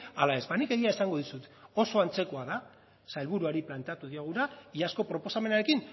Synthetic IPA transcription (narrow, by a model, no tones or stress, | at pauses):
alae̞zbanike̞ɣiaesaŋɡo̞ðisut̪o̞so̞ant͡se̞ko̞aða | sajlβuɾuaɾiplant̪eat̪uðiaɣ̞uɾaiasko̞pɾo̞po̞same̞naɾe̞kin